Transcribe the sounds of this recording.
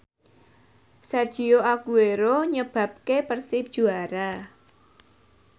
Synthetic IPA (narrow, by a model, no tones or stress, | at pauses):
sɛrd̥ʒ̥i̤oakueɾoɲəb̥ä̤p̚kepərsɪp̚d̥ʒ̥ṳaɾa